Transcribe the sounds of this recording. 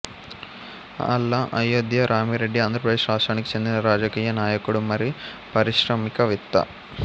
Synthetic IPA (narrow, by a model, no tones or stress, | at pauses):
ɐ̰lːɐʔɐjɐd̪jɐɾʔaːmiɾeɖːiand̪ɾɐpɾɐd̪eːʂɾaːstɾaːnikːi̥t͡ʃe̞nd̪inɐɾaːd͡ʒɐkiːjɐnaːjɐkuɽumɐɾi | pɐɾiʃɾɐmikɐʋit̪ːɐ̰